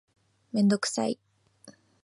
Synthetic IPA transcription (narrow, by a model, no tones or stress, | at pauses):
mẽ̞nd̪o̞kɯ̟̥sa̰i